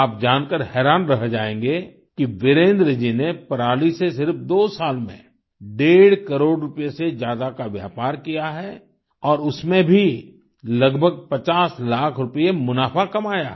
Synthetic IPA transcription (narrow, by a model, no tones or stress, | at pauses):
aːp̚d͡ʒaːnkəɾɦɛːɾaːnɾɐɦd͡ʒaːẽːŋ̆ɡe | kiʋɪɾẽːnd̪ɾəd͡ʒinepɐɾaːlisesɪɾfd̪oːsaːlmḛ̃ | ɖeːɽ̤kɐɾoːɽɾʊpjesed͡ʒjaːd̪akaʋja̰ːpaːɾkijaɦɛ | ɔːɾʊsmẽbʱi | lɐɡbʱəɡ̚pɐt͡ʃaːslaːkʰɾʊpəjemʊnaːfakɐmaːja